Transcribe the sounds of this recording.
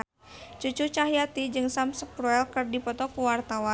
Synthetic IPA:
t͡ʃut͡ʃut͡ʃaɦijat̪id͡ʒɨŋsamsəkɾuɛlkɨrdipɔt̪ɔkuwart̪awa

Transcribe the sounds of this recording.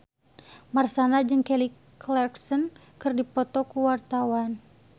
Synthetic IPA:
marsanad͡ʒɨŋkɛli | klɛrksɔn | kɨrdipɔt̪ɔkuwart̪awan

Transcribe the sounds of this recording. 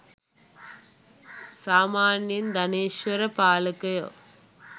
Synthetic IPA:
saːmaːnjɐnd̪ɐneːʃʋɐɾɐpaːlɐkːɐjo̰ː

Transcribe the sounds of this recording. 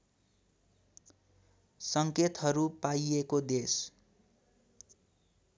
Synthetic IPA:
sʌŋket̪ɦʌɾupajekod̪es

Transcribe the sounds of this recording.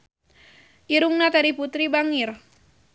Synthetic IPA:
ʔiɾuŋnat̪aɾiput̪ɾibaŋir

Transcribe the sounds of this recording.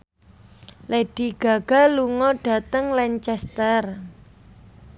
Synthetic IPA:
leɖ̥i̤ɡ̥a̤ɡ̥a̤luŋɔɖ̥ä̤t̪əŋlɛnt͡ʃɛst̪ər

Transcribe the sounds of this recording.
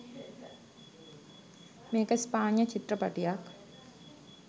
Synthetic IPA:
meːkəspaːnjət͡ʃit̪ɾəpɐ̰ʈijak

